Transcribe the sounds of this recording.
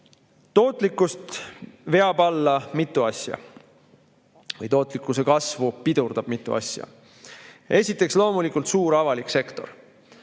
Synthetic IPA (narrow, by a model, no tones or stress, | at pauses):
t̪o̞ːt̪ˑlikːˑust̪ve̞ɑbɑlːɑmit̪ːˑuɑsjɑ̰ | vɤ̰jt̪o̞ːt̪ˑlikːˑuse̞kɑsvupid̪urd̪̥ɑb̥mit̪ˑːṵɑ̰sʲjɑ̰ | e̞sʲit̪ːˑe̞kslo̞ːmulikːˑult̪suːɾɑvɑlikse̞kt̪o̞̰ɾ